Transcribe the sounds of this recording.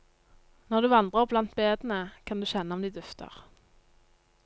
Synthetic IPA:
nɔʁd̪ʉːʋɑnd̪ʁəʁblɑnt̪̚beːd̪n̩əkʰɑnd̪ʉːʃɛnːəɔmd̪iːd̪ʉft̪ʰə̰ʁ

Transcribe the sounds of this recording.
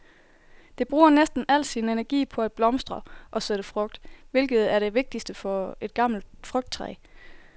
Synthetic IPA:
d̥e̝b̥ʁuːɐnesd̥n̩æl̰̥sinenæɐɡ̥ḭːpʰɒ̽æd̥̚b̥lɒ̽msd̥ʁɐʔɒ̽seɾ̥əfʁɔ̽ɡ̥̚d̥ʋe̝lɡ̥ð̞̩ˠæɐɾ̥e̝ʋe̝ɡ̥̚d̥isd̥əfɒ̽e̝d̥̚ɡ̥ɑ̈m̰l̩d̥fʁœɡ̥̚d̥̚t͡sʰʁɛ̰ː

